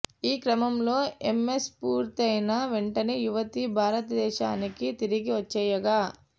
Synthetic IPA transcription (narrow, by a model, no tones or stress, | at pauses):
iːkɾɐmɐmlo̞ːemːespuːɾt̪ɐjnɐʋeɳʈɐnijuʋɐt̪ibʱaːɾɐt̪ɐd̪ɛːʃaːnikit̪iɾiɡiʋɐt͡ʃːɛːjɐɡaː